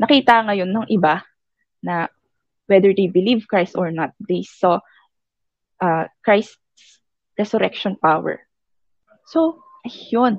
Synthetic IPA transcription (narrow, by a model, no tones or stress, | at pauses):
nɐkiːt̪ɐŋɐjo̞nːɐŋʔɪba | nɐ | wɛd̪ɛɹd̪ejbɪlivkɹajst̪ɔɹnɐt̪̚d̪ejsɔ | ʔɐkɹajst̪̚s | ɹɛsʊɾɛk̚ʃɔnpawɛ̰ɹ | so | ʔɐjon